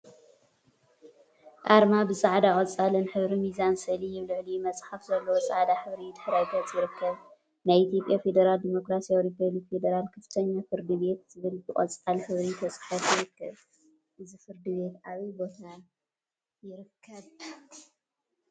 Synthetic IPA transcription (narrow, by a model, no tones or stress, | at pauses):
ʔʼaɾmabɨsʼaʕd̪aχʼɐt͡sʼalɨnħɨβɾimizansɨʔlijɪβlɨʕlijumɐt͡sʼħafzɐlːɐwosʼaʕd̪aħɨβɾid̪ɨħɾajk̪ʰɐt͡sʼjɪɾɨkʰːɐβ | najit̪ʰjo̞pʼjafe̞d̪ɐɾald̪imo̞kɾasijawɾipoβlikfe̞d̪ɐɾalkʰɐft̪ʰɐɲːafɨɾd̪ɨβe̞t̪z̥ɨβɨlbɨχʼɐ̰t͡sʼalħɨβɾit̪ʰɐsʼħɐfjɪɾɨkːɐβ | ʔɨzifɨɾd̪ɨβe̞t̪aβibo̞t̪ʰa | jɪɾɨkʰːɐβ